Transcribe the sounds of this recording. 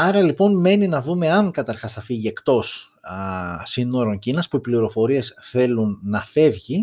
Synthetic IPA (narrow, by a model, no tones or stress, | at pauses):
ɐɾɐlipo̞nme̞ninɐðume̞ɐŋkɐt̪ɐɾxɐsθɐfiʝie̞kt̪o̞s | sino̞ɾo̞ɲcinɐspuipliɾo̞fo̞ɾie̞sθe̞lunːɐfe̞vʝi